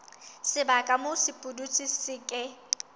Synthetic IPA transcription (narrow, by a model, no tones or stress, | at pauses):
sɪbakʼamʊsɪpʼudut͡sʰʼisɪkʼɪ